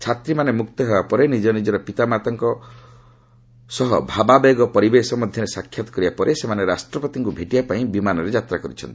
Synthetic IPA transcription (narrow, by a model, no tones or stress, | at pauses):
t͡ʃʰat̪ɾimanemuk̚t̪ɔɦebapɔɾenid͡ʒɔnid͡ʒɔɾɔpit̪amat̪ɔŋkɔ | sɔɦɔbʱababeɡɔpɔɾibesɔmɔd̪ʱjɔɾesakʰːjat̪ɔ̥kɔɾibapɔɾʔesemaneɾasʈɾɔpɔt̪iŋkubʱeʈibapaĩbimanɔɾed͡ʒat̪ɾakɔɾit͡ʃʰɔnt̪i̥